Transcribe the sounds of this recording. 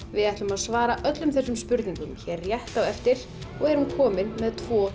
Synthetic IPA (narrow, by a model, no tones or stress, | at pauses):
vɪðajht̪lʏmaðsvaːɾaʔœt̪lʏmθɛsːʏmspʏɾt̪niŋkʏmçɛrːjɛht̪awɛft̪ɪɾ̥ | ɔɣɛɾ̥hunkʰɔːmɪnmɛðt̪ʰvɔː